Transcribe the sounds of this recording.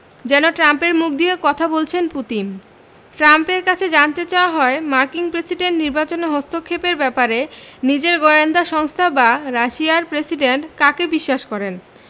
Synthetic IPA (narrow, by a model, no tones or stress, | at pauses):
d͡ʑɛnoʈɾampeɾmuk̚ʰd̪iekɔt̪ʰabolt͡ɕʰenput̪in | ʈɾampeɾkat͡ɕʰed͡ʑant̪et͡ɕaoaɦɔemaɾkiŋpɾesiɖeɳʈniɾbat͡ɕoneɦost̪ʰokʰːepeɾbɛpaɾenid͡ʑeɾɡojand̪aʃɔŋst̪ʰabaɾaʃiaɾpɾesiɖeɳʈkakebiʃːaʃkɔɾen